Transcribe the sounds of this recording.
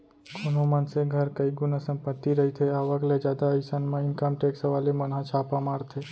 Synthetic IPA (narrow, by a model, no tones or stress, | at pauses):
kʰonõmənseɡʱəɾkəiɡʊnəsə̃mpət̪ːiɾəɦit̪ʰeaʋəkled͡ʒjad̪aəɪsanmãɪnkəmʈeksəʋalemənɦãt͡ʃʰapamaɾt̪ʰe